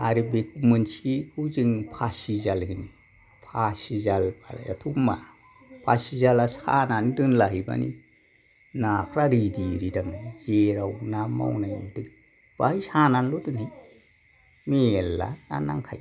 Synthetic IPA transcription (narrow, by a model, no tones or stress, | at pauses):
aɾibek̚ʰumɯnt͡ʃikʰuziŋpʰasizalɡiŋ | pʰasizalbaɾ̰ja̰tʰuma̰ | pʰasizalasa̰nandɯnlaɦiba̰nḭ | napʰɾaɾidiɾidaŋzeɾawnama̰wnajṵdɯ | b̥ahisananlodɯni | meelːa̰na̰naŋkʰaj